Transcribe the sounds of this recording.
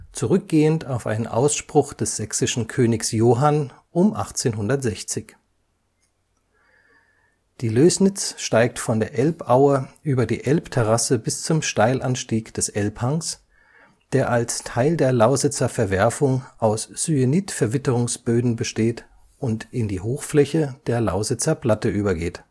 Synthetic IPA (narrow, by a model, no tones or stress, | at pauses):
t͡suʁʏk̚ɡ̥eːəntaʊfʔa̰ɪnənʔa̰ʊsʃpʁ̥ʊχd̥ɛsz̥ɛksɪʃn̩kʰøːnɪçsjoːɦan | ʔʊmʔa̰χt͡seːnɦʊndɐtz̥ɛçt͡sɪç | d̥iːløːsnɪt͡sʃtaɪk̚tfɔndeːɐʔɛlpʔaʊəʔyːbɐdḭːʔɛlptʰɛʁasəbɪst͡sʊmʃtaɪlʔanʃtiːkd̥ɛsʔɛlphaŋs | d̥eːɐʔalstʰaɪldeːɐlaʊzɪt͡sɐfɛɐvɛɐfʊŋʔaʊsz̥yeniːtfɛɐvɪtəʁʊŋsb̥øːdn̩bəʃteːt | ʊntɪndiːhoːxflɛçəd̥eːɐla̰ʊzɪt͡sɐpl̥atəʔyːbɐɡeːt